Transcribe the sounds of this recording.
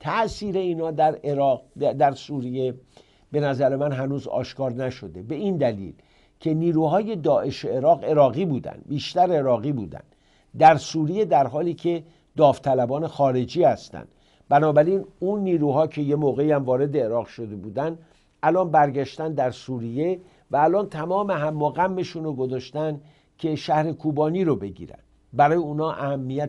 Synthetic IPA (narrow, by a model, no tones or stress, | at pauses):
t̪ʰæʔsiːɾe̞iːnhɒːd̪æɾeɾɒːqd̪æɾsuːɾije̞ | b̥e̞næzæɾe̞mænɦænuːzɒ̰ːʃkɒːɾnæʃod̪e̞beind̪ælḭːl | cʰe̞niːɾuːhɒːje̞d̪ɒːʔe̞ʃeeːɾɒːɣe̞ɾɒːɣiːbuːd̪æ̰nd̪̥biːʃt̪æɾeɾɒːɣiːbuːd̪æ̰nd̪̥ | d̪æɾsuɾije̞d̪æɾɦɒːliːcʰe | d̪ɒːft̪ʰælæbɒːne̞xɒːɾe̞d͡ʒiːhæst̪æ̰nd̪̥ | bænɒːbæɾiːnunːiːɾuːɦɒːcʰe̞je̞moːɣe̞iæmvɒːɾe̞d̪e̞ːɾɒːɣʃo̞d̪e̞buːd̪ænd̪ | ʔælɒːnbæɾɟæʃt̪ænd̪æɾsuɾije̞ | væːlɒːnt̪ʰæmɒːmeɦæmːoɣæmːe̞ʃuːnoɡozɒːʃt̪ænd̪ | cʰe̞ʃæhɾe̞kʰuːbɒːniːɾobe̞ɟḭːɾæ̰nd̪ | bæɾɒːjeuːnɒːʔæhæmːijæ